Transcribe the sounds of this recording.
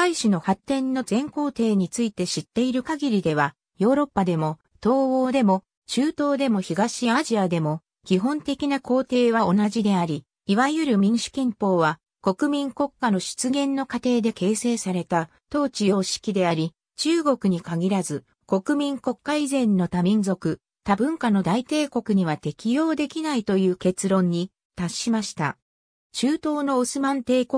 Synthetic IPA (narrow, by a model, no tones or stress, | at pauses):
aiɕino̞hat̪ːẽ̞nːo̞zẽ̞ŋko̞ːt̪e̞ːɲ̟it͡sɨit̪e̞ɕit̪ːe̞iɾɯ̟kaɡʲiɾʲid̪e̞β̞a | jo̞ːɾo̞pːad̪e̞mo̞ | t̪o̞ːoːd̪e̞mo̞ | t͡ɕɨːt̪o̞ːd̪e̞mo̞çiɡaɕiaʑiad̪e̞mo̞ | kʲiɦõ̞nt̪e̞kʲinako̞ːt̪e̞ːβao̞naʑid̪e̞aɾʲi | iβaijɯ̟ɾɯ̟mʲĩɰɕi̥kʲĩmpo̞ːβa | ko̞kɯ̟mʲĩŋko̞kːano̞ɕi̥t͡sɨɡẽ̞nːo̞kat̪e̞ːd̪e̞ke̞ːse̞ːsaɾe̞t̪a | t̪o̞ːt͡ɕijo̞ːɕi̥kʲid̪e̞aɾʲi | t͡ɕɨːɡo̞kɯ̟ɲ̟ikaɡʲiɾazɨ | ko̞kɯ̟mʲĩŋko̞kːaizẽ̞nːo̞t̪amʲĩnzo̞kɯ̟ | t̪abɯ̟̃ŋkano̞d̪ait̪e̞ːko̞kɯ̟ɲ̟iβ̞at̪e̞kʲijo̞ːd̪e̞kʲinait̪o̞jɯ̟ːke̞t͡sɨɾõ̞ɲ̟ːi | t̪aɕːimaɕi̥t̪a̰ | t͡ɕɨːt̪o̞ːno̞osɨmãnt̪e̞ːko